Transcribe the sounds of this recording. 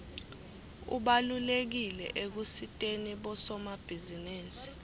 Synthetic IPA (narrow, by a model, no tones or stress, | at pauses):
ṵɓalulek̬ilɛ̰ʔek̬usitʼeniɓɔsɔmab̥ʱizinɛːnsi̥